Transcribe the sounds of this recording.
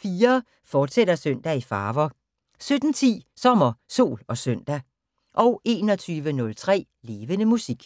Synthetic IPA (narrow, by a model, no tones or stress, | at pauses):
fiːɐ | fɒːd̥sed̥ɐsøn̰d̥æifɑ̈ːʋɐ | sød̥n̩t͡sʰḭːsɒ̽mɐso̝̰ːlɒ̽søn̰d̥æ | ʔɒ̽ʊe̝ːnɒ̽t͡sʰyːʋənɔ̽lt͡sʰʁɛ̰ː | le̝ːʋənəmusiɡ̥